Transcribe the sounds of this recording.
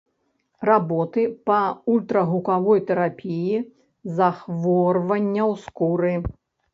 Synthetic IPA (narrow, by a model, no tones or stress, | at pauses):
rabɔt̪ɨpɐulʲt̪ɾɐɣukavɔjt̪ɛɾapʲiji | zaxvɔrvɐnʲːɐwskuɾɨ